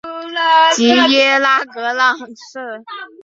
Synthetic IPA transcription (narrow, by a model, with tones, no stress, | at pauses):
t͡ɕi˧˥jɛ˥la˥kɤ˧˥lɑ˥˧ŋʂ̩˥˩